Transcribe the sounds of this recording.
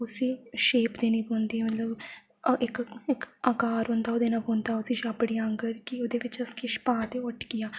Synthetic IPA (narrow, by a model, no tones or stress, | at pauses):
ʊsiːʃeːpd̪eːnĩːbõːnd̪iːmət̪ləb | ɪkɪkakaːɾõːnd̪aːoːd̪eːnabõːnd̪aːʊsĩːʃaːbəɽiːãŋɡəɾkɪoːd̪eːʋɪt͡ʃəskɪʃpãːt̪eʊʈʰkijaː